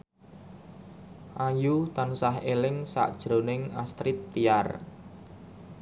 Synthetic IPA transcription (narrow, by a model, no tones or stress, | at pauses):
ʔajut̪ansaɦelɪŋsa̰ʔd̥ʒ̥ɾonɪŋast̪ɾɪt̪ːiar